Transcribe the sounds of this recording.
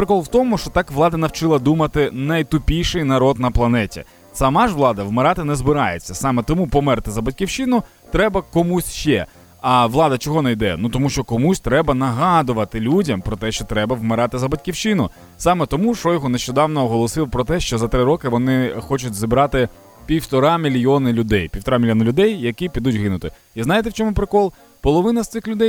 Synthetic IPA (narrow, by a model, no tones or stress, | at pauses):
pɾɪkɔlˠʋwt̪ɔmʊʃt͡ʃɔt̪ɑkʋlˠɑd̪ɐnɐwt͡ʃɪlˠɐd̪umɐt̪ɪnɐjt̪ʊpʲijʃɪjnɐɾɔd̪nɐplˠɐnɛtʲḭ | sɐmɑʒʋlˠɑd̪ɐʋmɪɾɑt̪ɪnɛzbɪɾɑjet͡sʲːɐsɑmet̪ɔmupɔmɛrt̪ɪzɐbɐtʲkʲiwt͡ʃɪnʊ | t̪ɾɛbɐkɔmusʲʃt͡ʃɛ̰ | ɐʋlˠɑd̪ɐt͡ʃɔɦɔnɛjd̪ɛ̰nut̪ɔmuʃt͡ʃɔkɔmusʲt̪ɾɛbɐnɐɦɑd̪ʊʋɐt̪ɪlʲudʲɐmpɾɔt̪ɛʃt͡ʃɔt̪ɾɛbɐʋmɪɾɑt̪ɪzɐbɐtʲkʲiwt͡ʃɪnʊ | sɑmet̪ɔmuʃɔjɔɦɔneʃt͡ʃɔd̪ɑwnɔɔɦɔlˠɔsɪwpɾɔt̪ɛʃt͡ʃɔzɐt̪ɾɪɾɔkɪʋɔnɪxɔt͡ʃʊtʲzʲibɾɑt̪ɪ | pʲiwt̪ɔɾɑmʲilʲjɔnɪlʲʊd̪ɛjpʲiwt̪ɔɾɑmʲilʲjɔnɐlʲʊd̪ɛjjɐkipʲid̪utʲɦɪnʊt̪ɪ | iznɑjɪt̪ɛwt͡ʃɔmʊpɾɪkɔlˠ | pɔlˠɔʋɪnɐst̪ɪxlʲʊd̪ɛj